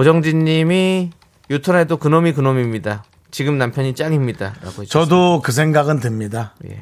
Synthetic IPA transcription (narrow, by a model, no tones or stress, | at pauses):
od͡ʑʌŋd͡ʑiɲːimi | jutʰʌnedokɯnomikɯnomimɲida | t͡ɕiɡɯmnampʰjʌɲit͡ɕ͈aŋimɲidaɾa̰ɡoɦet͡ɕʌdokɯs̬ʰeŋɡaɡɯntɯmɲidaje̞̰